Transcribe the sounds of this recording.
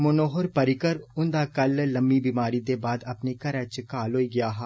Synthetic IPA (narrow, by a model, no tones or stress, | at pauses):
mʊnoːɦʊɾpɐɾɪkəɾʊ̃nd̪akɐlːɐmbibimaːɾid̪ebaːd̪ɐpnikɐɾət͡ʃkaːloːiɡɪjaːɦaː